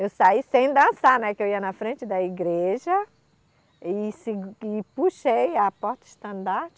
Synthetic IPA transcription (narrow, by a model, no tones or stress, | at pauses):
ewsaisẽj̃d̪ɐ̃sanɛkɪewiɐnɐfɾẽnt͡ʃɪd̪ɐiɡɾeʒɐ | ɪsɪɪpuʃejɐpɔɾt̪ɐɪʃt̪ɐ̃nd̪aɾt͡ʃ